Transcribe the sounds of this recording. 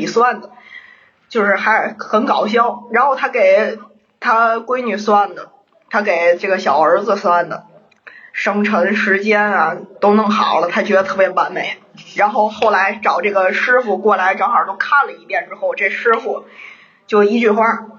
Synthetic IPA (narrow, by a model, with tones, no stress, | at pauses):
i˨˩swa˥˩nd̪ə˩ | t͡ɕjo˥˧ʊʂɻ̩˥˩xa˧˥ɪxə˧˥nkɑ˨˩ʊɕ̬jɑ˥ʊɻa˧˥nxo˥˩ʊt̪ʰa˥ke˨˩ɪ | t̪ʰa˥kwe˥ɪny˨˩swa˥˩nd̪ə˩ | t̪ʰa˥ke˨˩ɪʈ͡ʂɤ˥˩ɡə˩ɕjɑ˨˩ʊə˞˧˥d͡zɹ̩˧swa˥˩nd̪ə˩ | ʂɤ˥ŋʈ͡ʂʰɤ˧˥ŋʂɻ̩˧˥t͡ɕjɛ˥nɐ˨t̪o˥ʊnɤ˥˩ŋxɑ̰˨˩ʊlə˦t̪ʰa˥t͡ɕɥɛ˧˥d̪ə˧t̪ʰɤ˥˩pjɛ˧˥pa˧˥nme˨˩˦ɪ | ɻa˧˥nxo˥˧ʊxo˥˩ʊla˧˥ɪʈ͡ʂɑ˨˩ʊʈ͡ʂɤ˥˩ɡə˩ʂɻ̩˥fu˧kwɔ˥˩la˧˥ɪʈ͡ʂɑ˥ŋxɑ˞˨˩t̪o˥ʊkʰa˥˩nlə˩i˧˥pjɛ˥˩nʈ͡ʂɻ̩˥xo˥˧ʊʈ͡ʂɤ˥˩ʂɻ̩˥fu˥˩ | t͡ɕjo˥˧ʊi˥˧t͡ɕy˥˧xwa˥˩